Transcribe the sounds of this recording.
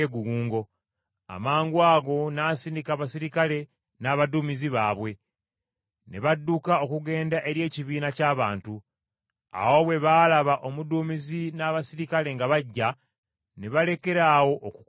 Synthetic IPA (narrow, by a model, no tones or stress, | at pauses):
eɡuɡuːŋɡo̞ | a̰maːŋɡwaːɡo̞naːsiːndikaβasiɾikale̞ | naːβaduːmiziβaːβwe̞ | ne̞βadːukao̞kuɡe̞ːndaʔe̞ɾje̞ːciβiːnacaːβaːntu | a̰wo̞βwe̞βaːlaβaʔo̞muduːmizinaβasiɾikale̞ŋɡaβaɟːa | ne̞βale̞ke̞ɾaːwo̞ʔːku̥